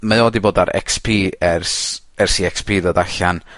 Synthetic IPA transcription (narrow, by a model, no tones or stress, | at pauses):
maoːdiboːdaɾɛ̰kspʰiːɛrs | ɛrsiɛkspʰiːðoːdaɬan